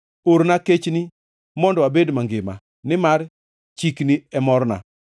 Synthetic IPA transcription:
oɾnaket͡ʃni | mɔndɔabedmaŋɡɪma̰ | nɪmar | t͡ʃikniɛmɔrna̰

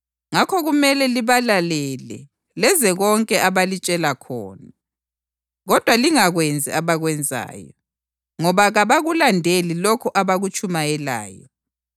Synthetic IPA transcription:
ŋakʰɔɣumɛlɛliβalalɛlɛ̰ | lɛzɛɣɔŋkʼɛʔaβalit͡ʃʼɛlakʰɔ̰ːna | ɣɔd̥ʱwaliŋaɣwɛnd͡zʱḭʔaβaɣwɛnd͡zʱa̰ːjɔ̰ | ŋɔβaɣaβaɣulandʱelilɔkʰuʔaβaɣut͡ʃʼumajɛla̰ːjɔ

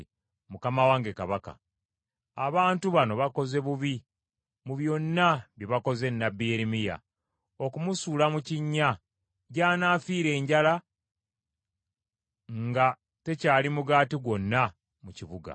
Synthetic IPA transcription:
mukamawaːŋɡe̞kaβaka̰ | aβaːntuβano̞βako̞ze̞βuβi | muβjo̞nːaβjiβako̞ze̞nːabːijeɾimija̰ | o̞kumusuːlamuciɲːa | ɟaːnaːfiːɾe̞ːɲɟala | ŋɡa | te̞caːlimuɡaːtiɡwo̞nːa | muciβuɡa̰

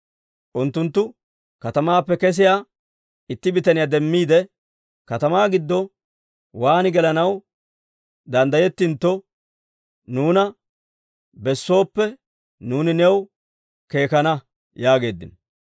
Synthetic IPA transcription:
ʔʊnt̪ːʊnt̪ːʊ | kɐt̪ɐmaːpːɛkɛs̬ɪjaː | ɪt̪ːɪbɪt̪ɐnɪjaːd̪ɛmːiːd̪ɛ | kɐt̪ɐmaːɡɪd̪ːɔ | waːnɪɡɛlɐnɐw | d̪ɐnd̪ɐjɛt̪ːɪnt̪ːɔ | nuːnɐ | bɛsːo̞ːpːɛ | nuːnɪnɛw | ke̞ːkɐnɐ | jaːɡe̞ːd̪ːɪ̰n

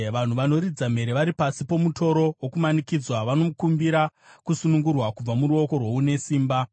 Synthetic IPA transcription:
ʋan̤uʋano̞ɾid͡zam̤e̞ɾeʋaɾipasipo̞muto̞ɾo̞wokumanikid͡zwaʋano̞mukumbiɾa | kusunuŋɡurwakub͡vamuɾuo̞ko̞rwo̞une̞siːmba

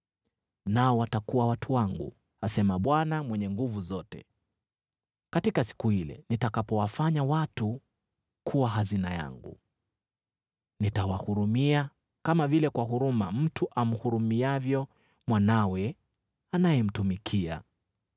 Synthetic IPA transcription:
naɔwatakuwawatʰuwaŋɡṵ | asɛmaɓwanamwɛɲɛŋɡuvuzɔtɛ | katikasi̥kuhilɛ̰nitakapɔwafaɲawatu | kʰuwaɦazinaja̰ŋɡṵ | nitawahuɾumia | kamavilɛkwaɦuɾumam̩tuʔam̩huɾumiavjɔ | mwanawɛ | anajɛm̩tumikʰia̰

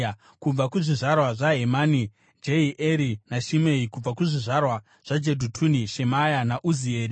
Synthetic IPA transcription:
kub͡vakuʐiʐarwaʐaɦemani | d͡ʒeiʔeɾinaʃimeikub͡vakuʐiʐarwa | ʐ̥ad͡ʒedʱutʰuniʃe̞majanaʔuzieːɾi

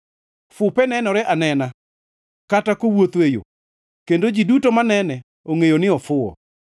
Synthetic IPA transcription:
fʊpɛnɛnɔɾɛʔanɛna | katakowot̪wejo̰ | kendod͡ʒidutomanɛnɛ | oŋejonɪɔfʊɔ̰

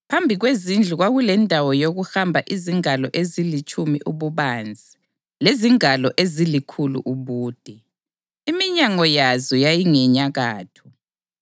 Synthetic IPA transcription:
pʰambʱiɣwezind͡ɮʱuɣwaɣulɛndʱawɔjoɣuxambʱaʔiziŋalɔʔezilit͡ʃʼumiʔuβuβand͡zʱi | leziŋalɔʔezilikʰulṵʔuβuːd̥ʱɛ | imiɲaŋɔjazɔjajiŋɛɲaɣaːtʰu̥

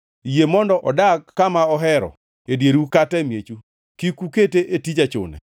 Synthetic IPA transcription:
jemɔndɔʔɔdakːamaɔɦɛɾɔ̰ | edjeɾukatɛmjet͡ʃu | kikuketeʔetid͡ʒat͡ʃʊ̰nɛ̰

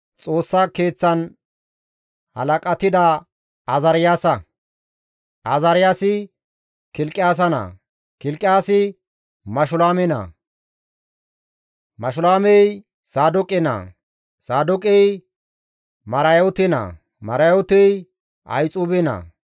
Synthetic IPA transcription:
t͡sʼoːsːakeːt͡sːɐn | hɐlɐkʼɐt̪ɪd̪ɐ | ɐzɐɾɪjaːsɐ | ʔɐzɐɾɪjaːsɪ | kɪlkʼːɪjaːs̬ɐnɐ̰ | kɪlkʼːɪjaːsɪ | mɐʃʊlaːmɛnɐ̰ | mɐʃʊlaːmɛj | saːd̪ʊkʼɪnɐ̰ | saːd̪ʊkʼɛj | mɐɾɐjɔt̪ɪnɐ̰ | mɐɾɐjɔt̪ɛj | ʔɐ̰jt͡sʼuːbɪnɐ̰

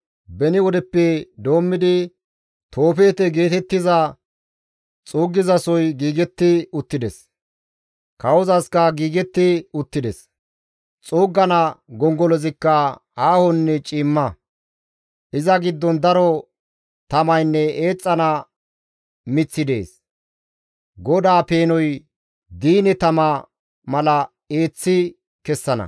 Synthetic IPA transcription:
bɛnɪwɔd̪ɛpːɛd̪o̞ːmːɪd̪ɪ | t̪ʰo̞ːfe̞ːt̪ɛɡe̞ːt̪ɛt̪ːɪzɐ | t͡sʼoːɡːɪzɐsɔjɡiːɡɛt̪ːɪʊt̪ːɪd̪ɛs | kɐwɔzɐskɐɡiːɡɛt̪ːɪʊt̪ːɪd̪ɛs | t͡sʼoːɡːɐnɐɡɔŋɡɔlɔzɪkːɐaːhɔnːɛt͡ʃʼiːmːɐ | ʔɪzɐɡɪd̪ːɔnd̪ɐɾɔ | t̪ɐmɐjnːɛeːt͡sʼːɐnɐ | mɪt͡sːɪd̪ḛːs | ɡɔd̪aːpe̞ːnɔj | d̪iːnɛt̪ɐmɐ | mɐlɐ | e̞ːt͡sːɪ | kɛsːɐnɐ̰

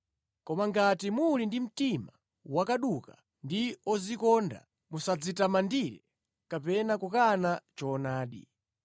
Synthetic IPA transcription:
kɔmaŋɡatimulindim̩tima | wakaɗuka | ndiɔzikɔnda̰ | musad͡zitamandiɾɛ̰ | kapɛnakukanat͡ʃɔːnaːɗḭ

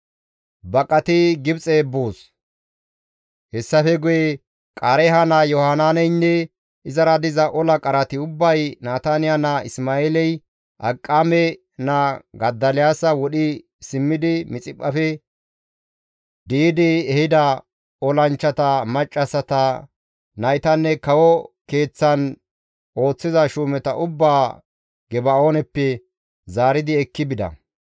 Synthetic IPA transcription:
bɐkʼɐt̪ɪɡɪbt͡sʼe̞ːbːoːs | hɛsːɐfɛɡʊjɛ | kʼaːɾɛɦɐnɐjɔhanaːnɛjnːɛ | ɪzɐɾɐd̪ɪzɐʔɔlɐkʼɐɾɐt̪ɪʊbːɐjnaːt̪anɪjanɐɪsmaːeːlɛj | ʔɐkʼːamɛ | nɐɡɐd̪ːɐlɪjaːsɐwɔɗɪ | sɪmːɪd̪ɪmɪt͡sʼɪpʼːɐfɛ | d̪iːd̪ɪɛhɪd̪ɐ | ɔlɐnt͡ʃːɐt̪ɐmɐt͡ʃʼːɐsɐt̪ɐ | nɐjt̪ɐnːɛkɐwɔke̞ːt͡sːɐn | ʔo̞ːt͡sːɪzɐʃuːmɛt̪ɐʔʊbːaː | ɡɛbɐoːnɛpːɛ | zaːɾɪd̪ɪɛkːɪbɪd̪ɐ̰

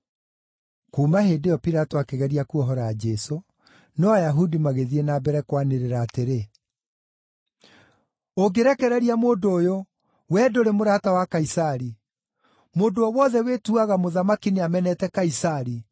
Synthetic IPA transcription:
kumaheːdeɔpiɾatoakɛɣɛɾiakuɔɦɔɾad͡ʒɛso | newajaɦudimaɣeðienaːbɛɾɛkwaneɾeɾaːteɾe | oɡeɾɛkɛɾɛɾiamoːdoːjo | wɛːdoɾemoɾatawakaisaɾi | moːndoɔwɔðɛwetuaɣamoðamakineamɛnɛtɛkaisaɾi

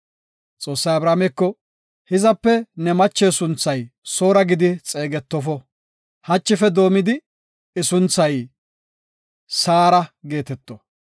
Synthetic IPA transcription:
t͡sʼo̞ːsːɐjɐbɾaːmɛkːɔ | hɪzɐpːɛnɛmɐt͡ʃːɛːsʊnt͡sːɐjso̞ːɾɐɡɪd̪ɪt͡sʼe̞ːɡɛt̪ːɔfɔ | hɐt͡ʃːɪfɛd̪o̞ːmɪd̪ɪ | ɪsʊnt͡sːɐj | saːɾɐɡe̞ːt̪ɛt̪ːɔ

